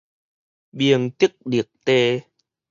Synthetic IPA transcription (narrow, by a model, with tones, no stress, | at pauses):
ɓi˨˩əŋt̪i˦˥k̚ɗi˨˩ək̚t̪e˧